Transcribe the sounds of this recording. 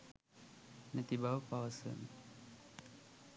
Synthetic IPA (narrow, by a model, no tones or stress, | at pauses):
nət̪ibawpawasə̰n